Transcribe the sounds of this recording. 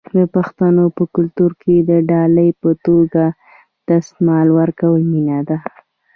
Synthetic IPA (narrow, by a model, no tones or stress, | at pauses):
d̪əpaxt̪anopəkʊlt̪uɾked̪əɖɑləjpət̪oɡa | t̪ast̪mɑlwəɾkawəlminad̪a